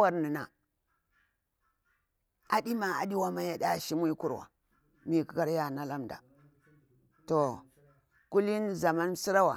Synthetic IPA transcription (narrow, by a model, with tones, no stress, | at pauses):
wa˨ɾni˨na̰˨ | a˨di˦ma˨a̰˨ɗi˦wa˦ma˦ja˨ɗa˦˨ʃi˦mu˦ku˦ɾwa̰˨ | mi˨ki˦ka˦ɾja˦˨na˦la˦mda̰˨ | to˨ | ku˦li˦nza˨ma˦n˦si˦ɾa˦wa˨